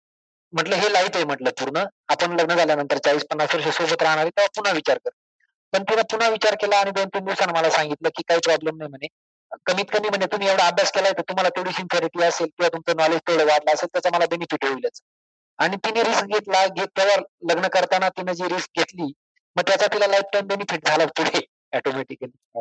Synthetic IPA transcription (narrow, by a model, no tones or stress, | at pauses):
m̤əʈləːɦelait̪ejm̤əʈləːpuɾɳəapəɳləɡnəd͡zaljanənt̪əɾt͡saʋiːspənːasʋəɾɕ̬esobət̪ɾaɦaɽ̃aɾet̪jaʋ̤apun̤aʋit͡ɕaɾkəɾt̪ə | pəɳt̪inapun̤aʋit͡ɕaɾkelaːɽ̃id̪ont̪iːnd̪iʋsanːaməlasãŋɡit̪ləkiːkaɦiːpɾɔblemnajm̤əɳe | kəmiːt̪kəmiːm̤əɳet̪um̤iːjaʋɽəabʱjaskelaɦet̪ət̪um̤alat̪ʰoɽiːsinfeɾiʈiːəselk̪ĩw̤at̪umt͡sənɔled͡ʑt̪ʰeʋɽəʋaɾlaəselt̪jat͡saməlabenifiʈɦoiljat͡sə̥ | paɽ̃it̪ineɾiskɡʱet̪laɡʱet̪ːjaʋaɾləɡnəkəɾt̪anat̪inad͡ʑiːɾisk̚ɡʱet̪liː | məɡ̚t̪jat͡sat̪ilalajpʈajmbenifiʈd͡zʱalaʋt̪uɽ̤ʰʱe | ɛʈomeʈikəli